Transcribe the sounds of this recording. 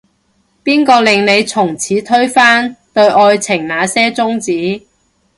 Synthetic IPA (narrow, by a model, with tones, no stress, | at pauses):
piː˥nkɔː˧lɪ˨ŋne˨˧jt͡sʰʊ˨˩ŋt͡sʰiː˨˥t̪ʰɵ˥ɥfaː˥nt̪ɵ˧ɥʔɔː˧jt͡sʰɪ˨˩ŋnaː˨˧sɛː˥t͡sʊ˥ŋt͡siː˨˥